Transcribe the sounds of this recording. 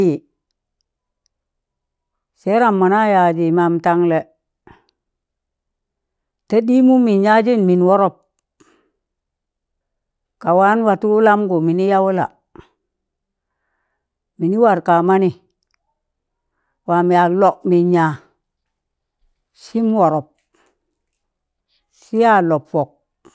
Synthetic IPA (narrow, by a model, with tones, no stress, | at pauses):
i˨ | se˦ɾa˨mːa˨na˦ja˨d͡ʒi˨ma˨mta˨ŋle˨ | te˦ɗi˦mu˦mi˨nɲa˦d͡ʒi˦nmi˨nwɔ˦ɾo˦p̚ | ka˨wa˦nwa˨tu˦la˦mɡo˨mi˨ni˦ja˦wu˦la̰˨ | mi˨ni˦wa˨ɾka˨ma˦ni˨ | wa˨mi˨a˨lɔ˦kmi˨ɲa˨ | si˦mwo˨ɾɔ˨p̚ | si˦ja˦lo˨pfɔ˨k̚